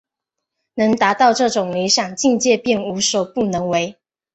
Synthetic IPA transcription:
nɤ˧˥ŋt̪a˧˥t̪ɑ˥˧ʊʈ͡ʂɤ˥˩ʈ͡ʂʊ˨˩ŋli˧˥ɕjɑ˨˩ŋt͡ɕi˥˧ŋt͡ɕjɛ˥˧pjɛ˥˩nu˧˥˦so˨˩pu˥˩nɤ˧˦˥ŋwe˧˦ɪ

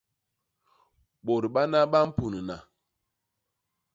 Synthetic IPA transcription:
ɓo˨ɾɓa˦na˦ɓa˦m̩˦pu˨nə˨na˨

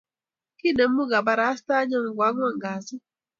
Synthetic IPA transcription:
ki˦˨ne˨m̩˦mu˦ɡa˨ba˨ɾa˨˦a˦sta˦ɲɔ˦ŋ̩˨ɡʷa˨˦ŋʷ˦a˦˨ŋ˨ɡa˨sɪ˦

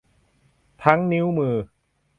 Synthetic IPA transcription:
t̪ʰa˦˥ŋni˦˥wmɯː˧

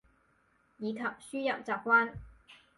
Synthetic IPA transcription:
jiː˨˧kʰɐ˨p̚syː˥jɐ˨p̚t͡saː˨˩p̚kwaː˥n

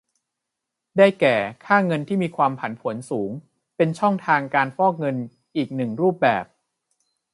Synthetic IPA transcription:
daː˥˩jkɛː˨˩kʰaː˥˩ŋɤ˧nt̪ʰiː˥˩miː˧kʰwaː˧mpʰa˩˦npʰu˩˦ənsuː˩˦ŋ | pe˧nt͡ɕʰɔ˥˩ŋt̪ʰaː˧ŋkaː˧nfɔː˥˩k̚ŋɤ˧n | ʔiː˨˩k̚nɯ˨˩ŋɾuː˥˩p̚bɛː˨˩p̚

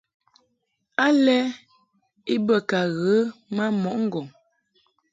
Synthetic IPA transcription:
a˦lɛ˦ | i˦bə˦˨ka˨ɣə˨˦ma˦mɔ˨ʔŋ̩˦ɡɔ˨ŋ

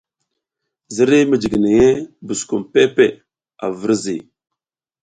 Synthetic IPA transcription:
zi˦ɾi˦mə˨d͡ʒi˨ɡi˨ni˨je˦bu˨sku˨mpe˦pe˨ | a̰˨və˦ɾzi˨

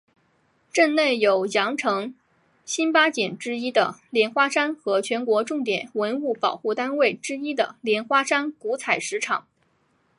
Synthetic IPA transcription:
ʈ͡ʂə˥˧nne˥˩ɪjo˨˩ʊjɑ˧˥ŋʈ͡ʂʰɤ˧˥ŋ | ɕi˥npa˥t͡ɕjɛ˨˩nʈ͡ʂɻ̩˥i˥d̪ə˨ljɛ˧˥nxwa˥ʂa˥nxɤ˧˥t͡ɕʰɥɛ˧˥nkwɔ˧˥ʈ͡ʂʊ˥˩ŋt̪jɛ˨˩˦nwə˧˥nu˥˩pɑ˨˩ʊxu˥˩t̪a˥nwe˥˩ɪʈ͡ʂɻ̩˥i˥d̪ə˨ljɛ˧˥nxwa˥ʂa˥nku˧˥t͡sʰa˨˩ɪʂɻ̩˧˥ʈ͡ʂʰɑ˨˩˦ŋ

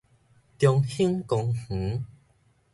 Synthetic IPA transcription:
t̪jɔ˨˧ŋhi˦ŋkɔ˨˧ŋh̩˨˦

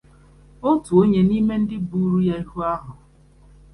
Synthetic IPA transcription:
o˦tu˨o˦ɲe˦ni˦me˦n̩˦dɪ˦bu˦˨˦ɾu˦ja˦i˦hu˦a˦ɦʊ˨

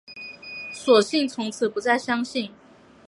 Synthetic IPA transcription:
swɔ˨˩ɕi˥˨ŋt͡sʰʊ˧˥ŋt͡s̩ʰ˨˩pu˧˦t͡sa˥˩ɪɕjɑ˥ŋɕi˥˨n

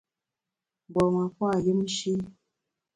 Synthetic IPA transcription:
ɡ͡bɔ˨wã˨kʷa˦˨ji˦m̩˦ʃi˦

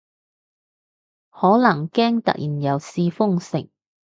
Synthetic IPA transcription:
hɔː˨˥lɐ˨˩ŋkɛː˥ŋt̪ɐ̰˨k̚jiː˨˩njɐ˨˧wsiː˧fʊ˥ŋsɪ̰˨˩ŋ

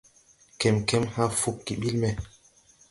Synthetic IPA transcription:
kɛ˨mkɛ˦mhã˦fu˨kːi˨ɓi˦lmɛ˦

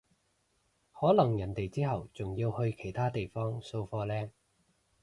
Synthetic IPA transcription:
hɔː˨˥lɐ˨˩ŋjɐ˨˩nt̪e˨jt͡siː˥ɦɐ˨˩wt͡sʊ˨ŋjiː˧whɵ˧ɥkʰe˨˩jt̪ʰaː˥t̪e˨jfɔː˥ŋso˧wfɔː˧lɛː˥

